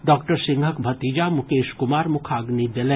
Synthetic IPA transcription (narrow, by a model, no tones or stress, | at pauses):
ɖɔːkʈəɾsɪ̃ŋɡʱəkbʱɐt̪id͡ʒamʊkeːʃkʊmaːɾmʊkʰaːɡnid̪elẽː